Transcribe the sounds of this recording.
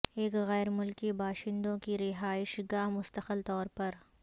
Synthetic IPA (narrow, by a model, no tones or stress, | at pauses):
eːkɣɛːɾmʊlkibaːʃɪ̃nd̪õkiɾɪɦaːɪʃɡaːmʊst̪əxəlt̪ɔːɾpɐɾ